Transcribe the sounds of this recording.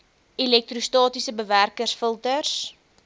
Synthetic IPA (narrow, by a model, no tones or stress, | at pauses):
ilɛk̚trustɑːtisəbəværkərsfəlˠtərs